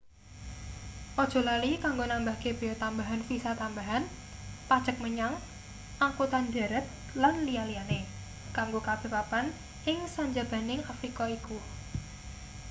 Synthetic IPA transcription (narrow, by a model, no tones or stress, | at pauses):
ʔɔd̥ʒ̥o̤lalikaŋɡonambahkeb̥e̤ɔt̪ambaɦanfisat̪ambaɦan | pad̥ʒ̥ə̤k̚məɲaŋ | aŋkut̪and̪a̤ɾət̪̚ | lanlialiane | kaŋɡokab̥e̤papan | ɪŋsaɲd͡ʒab̥a̤nɪŋafɾikɔiku